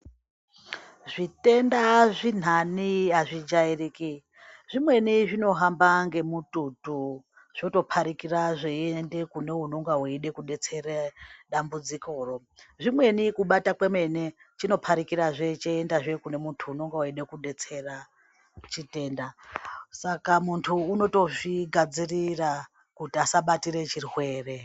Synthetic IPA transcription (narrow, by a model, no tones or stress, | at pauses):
ʐite̞ndaʐin̤aniaʐid͡ʒairiki | ʐimwe̞niʐino̞ɦambaŋɡe̞mututu | ʐ̥oto̞pʰaɾikiraʐeende̞kune̞ɦuno̞ŋɡaɦuiɗe̞kuɗe̞t͡se̞reɗambud͡ziko̞ro̞ | ʐimwe̞nikuɓatakweme̞net͡ʃino̞pʰaɾikiɾaʐe̞t͡ʃeendaʐe̞kune̞muntʰuːno̞ŋɡaaiɗe̞kuɗe̞t͡se̞ra | t͡ʃite̞ːndasakamuntʰuːno̞to̞ʐiɡʱad͡zirira | kutiasaɓatiɾe̞t͡ʃirwe̞ːre̞